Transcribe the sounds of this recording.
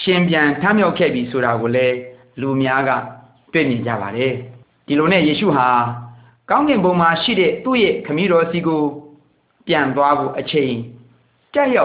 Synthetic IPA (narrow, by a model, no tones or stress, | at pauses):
ʃɪ̃mpjãntʰãmjaʊkʰːɛ̰bjisʰoɾaɡolɛ | lumjaɡä̰ | twḛmjɪ̃ɲd͡ʑä̰baɾɛ | d̥ilonɛ̰̃jeʃṵɦa | kãʊ̃ŋɡɪ̃mbõʊ̃maʃḭɾɛ̰t̪ṵjekʰəmjiɾɔsiɡo | pjãnt̪̬waɡo̰ʔət͡ɕʰẽɪ̃ | taʔja